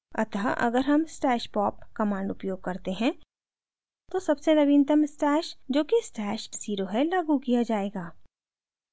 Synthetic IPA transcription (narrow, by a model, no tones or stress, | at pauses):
ɐ̰t̪ɦaʔɐ̰ɡəɾɦɐmsʈɛːʃpɔːp̚kɐmãːɳɖʊpjoːɡ̚kɐɾt̪eɦɛ̃ | t̪osɐbsenɐʋɪnt̪əmsʈɛːʃd͡ʒoːkisʈɛːʃsiːɾoɦelaːɡukijad͡ʒaːeːɡaː